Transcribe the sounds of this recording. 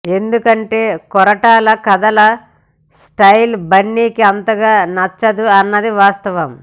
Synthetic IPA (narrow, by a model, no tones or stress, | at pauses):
e̞nd̪ukɐɳʈe̞ːkɔɾɐʈaːlɐkɐd̪ɐlɐ | sʈɐjlbɐɳːiːkiɐnt̪ɐɡaːnɐt͡ʃːɐd̪uɐnːɐd̪iʋaːst̪ɐʋɐm